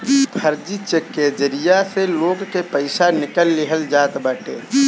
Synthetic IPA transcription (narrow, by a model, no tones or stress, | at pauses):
pʰəɾd͡ʒit͡ʃekːed͡ʒəɾijaseloːɡkepəɪsanɪkəlːɪɦəld͡ʒaːt̪bəʈeː